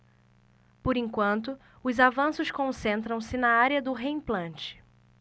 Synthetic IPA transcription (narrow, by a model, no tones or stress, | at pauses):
pʊɾĩŋkwɐ̃nt̪ʊ | ʊzavɐ̃sʊskõsẽnt̪ɾɐ̃w̃sɪnɐaɾjɐd̪ʊɦeĩplɐ̃nt͡ʃɪ̥